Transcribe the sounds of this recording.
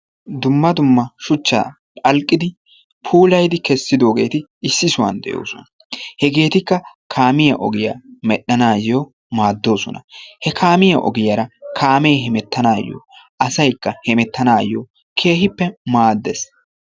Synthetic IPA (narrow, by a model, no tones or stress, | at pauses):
d̪ʊmːɐd̪ʊmːɐʃʊt͡ʃːa̰ː | pʼɐlkʼːɪd̪ɪ | pʰuːlɐjd̪ɪkɛsːɪd̪o̞ːɡe̞ːt̪ɪɪsːɪsʊwa̰nd̪ɛ̰jo̰ːsɔ̰nɐ | hɛɡe̞ːt̪ɪkːɐkʰaːmɪjɐʔɔ̰ɡɪja̰ːmɛɗːɐnaːjjoː | maːd̪ːo̞ːsɔnɐhɛkʰaːmɪjɐʔɔ̰ɡɪjaɾɐkʰaːmejɦɛmɛt̪ːɐnaːjːo̰ːʔɐsɐjkːɐhɛmɛt̪ːɐnaːjoː | kʰe̞ːhɪpːɛmaːd̪ːɛs